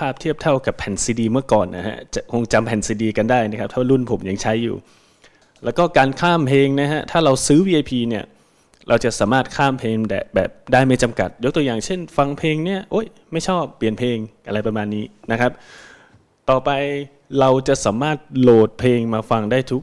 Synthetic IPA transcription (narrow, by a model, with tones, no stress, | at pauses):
pʰaː˥˩p̚t̪ʰi˥˩əp̚t̪ʰa˥˩wka˨˩pʰːɛ˨˩˦nsiː˧diː˧mɯ˥˩ɐkɔː˨˩nʔa̰˦˧˩ɦa̰˦˥t͡ɕa˨˩kʰo˧ŋt͡ɕa˧mpʰɛ˨˩˦nsiː˧diː˧ka˧ndaː˥˩jna˦˥kʰa˦˥p̚t̪ʰːwa˥˧ɾu˥˩npʰo˩˦mja˧ŋt͡ɕʰa˦˥jːṵː˨˩ | lɛː˦˥wkɔː˥˩kaː˧nkʰaː˥˩mpʰeː˧ŋna˦˥ɦa˦˥t̪ʰaː˥˩ɾa˧wsɯː˦˥wiː˧ʔa˧jpʰiː˧ni˥˩ɐ | ɾʔa˧wt͡ɕa˨˩ʔsaː˩˦maː˥˩t̪̚kʰaː˥˩mpʰeː˧ŋdɛ̰ː˨˩bɛ̰ː˨˩p̚daː˥˩jma˦˥jt͡ɕa˧mka̰˨˩t̪̚jo˦˥k̚t̪u˧jaː˨˩ŋt͡ɕʰe˥˩nfa˧ŋpʰeː˧ŋni˥˩ɐʔo˦˥˩j | ma˥˩jt͡ɕʰɔː˥˩pːli˨˩ənpʰeː˧ŋʔa˧ɾa˧jpɾa˧maː˧nːiː˦˥na˦˥kʰa˦˥p̚ | t̪ɔː˨˩pa˧j | ɾa˧wt͡ɕa˨˩ʔsaː˩˦maː˥˩t̪̚loː˨˩t̪̚pʰeː˧ŋmaː˧fa˧ŋdaː˥˩jt̪ʰu˦˥k